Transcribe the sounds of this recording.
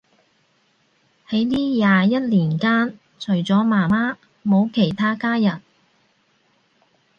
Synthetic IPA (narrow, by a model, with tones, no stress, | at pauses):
he˨˥jliː˥jaː˨jɐ˥t̚liː˨˩nkaː˥n | t͡ʃʰɵ˨˩ɥt͡sɔː˨˥maː˨˩maː˥ | mo˨˧wkʰe˨˩jt̪ʰaː˥kaː˥jɐ˨˩n̚